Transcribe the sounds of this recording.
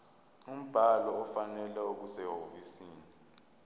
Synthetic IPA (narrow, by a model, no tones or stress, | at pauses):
um̩b̥ʱalɔːfanɛlɛok̬usɛɦofisiːni